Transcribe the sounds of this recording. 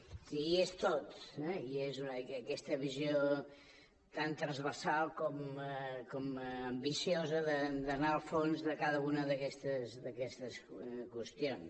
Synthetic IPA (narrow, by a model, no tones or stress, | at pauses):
siiest̪ot̪ɛiezunəəkɛst̪əβizjo | t̪ant̪ɾəzβəɾsalˠkɔmkɔməmbisiozəðəd̪ənaəlˠfonzðəkaðəunəðəkɛst̪əzd̪əkɛst̪əskwəst̪ions